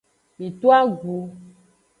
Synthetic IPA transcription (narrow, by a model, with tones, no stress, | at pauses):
mĩ˨t̪o˦a˦ɡu˨